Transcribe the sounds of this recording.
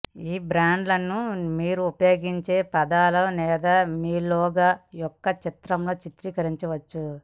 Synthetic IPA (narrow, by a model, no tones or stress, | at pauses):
iːbɾaːɳɖlɐnːumiːɾuupɐjo̞ːɡiɲt͡ʃe̞ːpɐd̪aːlɐnɛːd̪ɐmiːloːɡaːjɔkːɐt͡ʃit̪ɾɐmloːt͡ʃit̪ɾikɐɾiɲt͡ʃɐʋɐt͡ʃːu